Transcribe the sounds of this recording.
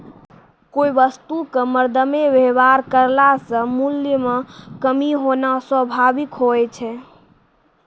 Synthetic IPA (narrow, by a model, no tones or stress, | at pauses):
koiʋəst̪ukəməɾd̪ʱəmeʋeʋaɾkəɾlasə̃muljəmekəmiɦonaswəbʱabikɦoɛt͡ʃʰɛ